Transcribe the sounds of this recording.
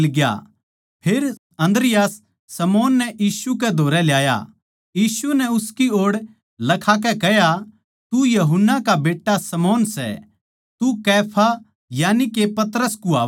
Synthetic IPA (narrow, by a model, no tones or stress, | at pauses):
lɡja̰ | pʰeːɾ | ɐ̃nd̪ɾɪjaːsː | ɐmɔːnːɛʔjiːsuk̬ɛd̪ʱoːɾɛljaːja̰ | jiːsunɛʊskioːɽ | lɐkʰak̬ɛkɛɦja | t̪ujɐɦʊnːakabeːʈːasɐmɔːnsɛ̰ | t̪ukɛːpʰa | jaːnikepɐt̪ɾəskuaː